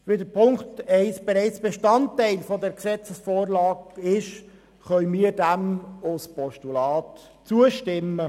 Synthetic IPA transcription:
ʋedəɾpʰʊŋktɛɪsb̥ɛɾɛɪt͡sb̥eʃtɑntːæɪlfɔdɛɾksɛt͡səsfoːrlɑːɡɪʃ | χœʏmiːəɾdæmʊspɔʃtulɑːt | t͡suəʃtɪmːə

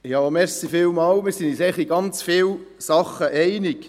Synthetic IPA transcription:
jɑːmɛɾsifɪːlmɑːwmɪɾsinisɛχiɡɑnt͡sfɪl | sɑχəʔɛɪnɪk

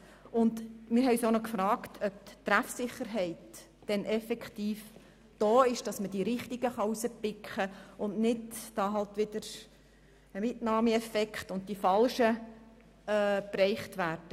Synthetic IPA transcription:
ʊndmɪɾɦɛɪsonɔkfrɑːktʰœp̚t̪ɾæfsɪχəɾɦɛɪtː | ɛnʔɛfɛkχtiːf | d̥oːɪʃd̥ɑsməd̥iɾɪχtiɡəχɑusəpːɪkχəʔʊndnɪdd̥ɑːɦɑltʋɪdəɾ | əmɪtnɑːmiɛfɛkχtʊnt̚d̥ifɑlʃəː | prɛɪχtʋæːɾd̥ə

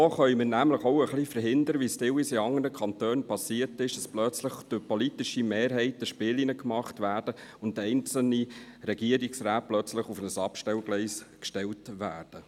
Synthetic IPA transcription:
oːχœʏmənæmləχoʊəχlifəɾɦɪnd̪əɾəʋistɪwisiɑŋːənəkʰɑnt̪øːnpʰɑsiətɪʃd̥ɑsplœt͡sləχd̥øpɔlitiʃimeːɾɦɛɪtəʃpɪːlinəkmɑχtʋæːɾdəʊndɛɪnt͡sl̩niɾɛɡ̥iəɾiksɾæːt̚plœt͡sləχufnəsɑpʃtɛwɡ̥lɛɪskʃtɛltʋæːɾd̥ə

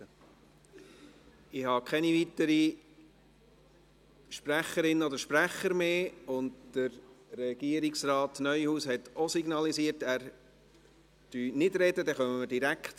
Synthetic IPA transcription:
ə | ɪhɑkʰɛnivit̪əɾi | ʃpɾæχəɾɪnːəod̪əɾʃpɾæχəɾmeːʊndd̥əɾɾɛɡ̥iəɾiksrɑːtnœʏhuːshɛtosiɡnɑlisiːəɾtæːɾ | d̥yːnɪdɾɛdədɛχœməməɾdiɾækt

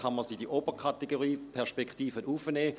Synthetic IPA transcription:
χaməsidiʔobəkʰat̪eɡoʁiːpʰɛɐʃpekχtiːfənʔufəneː

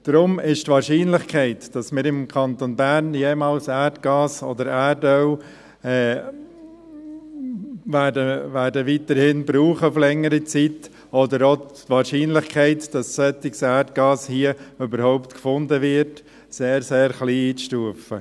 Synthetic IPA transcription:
d̥ɾʊmɪʃtʋɑːɾʃiːnlɪχkʰɛɪtd̥ɑsmɪːɾɪmkʰɑnt̪onbæɾnjeːmɑːlsæːɾtɡ̥ɑːsɔ̰d̪əɾædœw | ɛː | væːdəʋæːɾdəʋit̪əɾhɪnbɾuːχəflɛŋːəɾit͡sit̪ | ɔdəɾotʋɑːɾʃiːnlɪχkʰɛɪtd̥ɑssœt̪ːɪksæɾtɡ̥ɑːshiːəʏbəɾhɔʊptkfʊndəʋɪɾt | seːɾseːɾχliːiːt͡sʃtuəfə̰

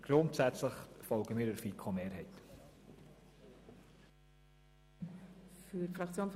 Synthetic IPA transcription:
ɡ̥ɾʊntsæt͡sləχfɔlɡəmiːɾəfikʰomeːɾɦɛɪt | fyfʁɑkt͡sjoːns

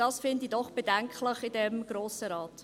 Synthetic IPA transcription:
d̥ɑsfɪndidɔχb̥edɛŋklɪχɪdɛmɡ̥ɾoːsəɾɑːt

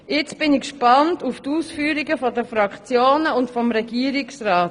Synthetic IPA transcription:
jɛt͡sb̥ɪnikʃpɑntuftuːsfyːɾiɡəfɔdəfɾɑkt͡sjoːnəʊntfɔmɾɛɡiəɾɪksɾaːt

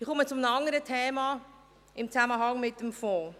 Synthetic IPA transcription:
iχʊmət͡sʊmnəɑndəɾətʰeːmɑ | ɪmt͡saməɦɑŋmɪt̚ːəmfɔː

